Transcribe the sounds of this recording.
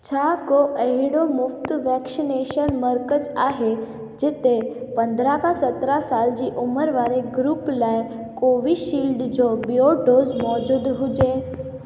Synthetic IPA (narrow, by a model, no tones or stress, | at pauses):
t͡ɕʰakoʔəɦiɽomʊft̪ʋɛksineʃənməɾkət͡saɦe | d͡ʒet̪epənd̪ʱɾakãsət̪ɾasald͡ʑiʔuməɾʋaɾeɡɾuplaj | koʋiʃiːlɖd͡ʑobijoɖozmɔd͡ʑud̪ɦud͡ʒe